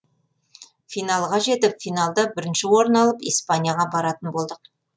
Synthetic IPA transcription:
fijnalˠʁɑʒe̞t̪ɪpfijnalˠd̪əbɪɾɪnʃɪwo̞ɾnɑlˠəpijspanʲijaʁɑbɑɾɑt̪ənbo̞lˠd̪əq̚

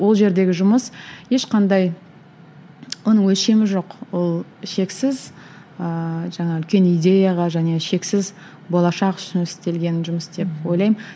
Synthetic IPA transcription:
wo̞lˠʒe̞ɾd̪e̞ɡʲɪʒʊməsje̞ʃqɑnd̪ɑj | wonəwɵlʃe̞mɪʒo̞qwo̞lˠʃe̞ksɪz | əʒɑɴɑʏlkʲe̞nijd̪ʲe̞jaʁɑʒæne̞ʃe̞ksɪz | bolˠɑʃɑqʏ̥ʃɪnɪst̪e̞lɡʲe̞nɪnʒʊməsd̪e̞p̚wo̞jlˠɑjm

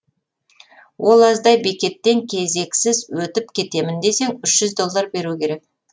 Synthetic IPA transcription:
wʔo̞lˠɑzd̪ɑjbe̞kʲe̞t̪ːe̞ŋkʲʰe̞ze̞ksɪzwɵt̪ɪpkʲʰe̞t̪e̞mɪnd̪e̞se̞ŋʏʃʒ̥ʏzd̪o̞lˠːɑɾbe̞ɾukʲe̞ɾe̞k̚

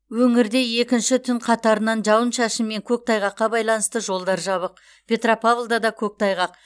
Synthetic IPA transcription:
wɵŋɪɾd̪e̞je̞kʲɪnʃɪt̪ʰʏɴqʰɑt̪ɑɾənɑnʒɑwənʃɑʃəmme̞ŋkʲʰɵk̚t̪ʰɑjʁɑqːɑbɑjlˠɑnəst̪əʒo̞lˠd̪ɑɾʒɑβəq | pʰʲe̞t̪ropavlˠd̪ɑd̪ɑkʲʰɵk̚t̪ʰɑjʁɑq

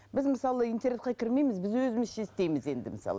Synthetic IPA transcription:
bɪzmɪsɑlˠəint̪ernet̪qɑkʲʰɪɾme̞jmɪzbɪzwɵzɪmɪzʃest̪e̞jmɪze̞nd̪ɪmɪsɑ̰lˠ

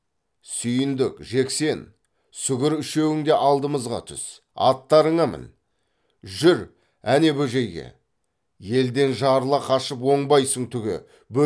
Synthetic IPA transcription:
sʏjɪnd̪ɪkʒe̞kse̞n | sʏɡʲɪɾʏʃe̞wɪŋd̪e̞ʔɑlˠd̪əməzʁɑ̰t̪ʰʏ̰s | ɑ̰t̪ːɑɾəɴɑmə̰n | ʒʏɾ | æne̞bɵʒe̞jɡʲḛ | je̞ld̪e̞nʒɑɾlˠɑqʰɑʃəp̬wo̞ɴbɑjsəɴt̪ʰʏɡʲɪ̰ | bɵ

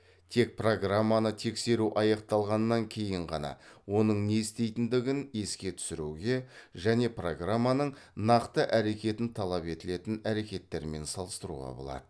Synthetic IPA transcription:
t̪ʰe̞k̚pro̞ɡramːanət̪ʰe̞kse̞ɾuʔɑjɑq̚t̪ɑlˠʁɑnːɑŋkʲʰe̞jɪɴʁɑ̰nɑ̰wo̞nəɴne̞ɪst̪e̞jt̪ɪnd̪ɪɡʲɪne̞skʲe̞t̪ʰʏ̥sɪɾuɡʲe̞ʒæne̞pro̞ɡramːanəɴ | nɑqt̪əʔæɾe̞kʲe̞t̪ɪnt̪ʰɑlˠɑpe̞t̪ɪle̞t̪ɪnæɾe̞kʲe̞t̪ːe̞ɾme̞nsɑlˠəst̪əɾṵʁɑ̰bo̞̰lˠɑ̰d̪ə

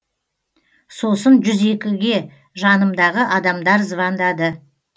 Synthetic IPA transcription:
so̞sənʒʏze̞kʲɪɡʲe̞ | ʒɑnəmd̪ɑʁəʔɑd̪ɑmd̪ɑɾzəvɑnd̪ɑd̪ə

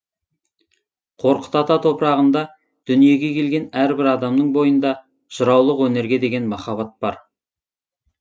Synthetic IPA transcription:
qʰo̞ɾqə̥t̪ɑt̪ɑt̪ʰo̞pɾɑʁənd̪ɑ | d̪̥ʏnije̞ɡʲe̞kʲʰe̞lɡʲe̞næɾbɪɾɑd̪ɑmnəɴbo̞jənd̪ɑ | ʒəɾɑwlˠəqwɵne̞ɾɡʲe̞d̪e̞ɡʲe̞nmɑχɑβɑt̪̚b̥ɑɾ

